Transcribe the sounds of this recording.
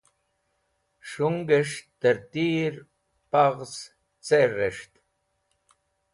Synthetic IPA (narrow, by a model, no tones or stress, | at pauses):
ʂuŋɡeʂt̪eɾt̪iːɾ | paʁs | t͡sereʂt̪